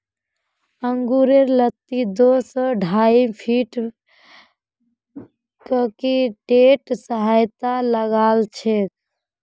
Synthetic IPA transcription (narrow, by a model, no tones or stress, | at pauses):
əŋɡuɾeɾlət̪ːid̪osɔɖʱaipʰiʈ | kəkiʈeʈsəɦajt̪aləɡalt͡ʃʰek̚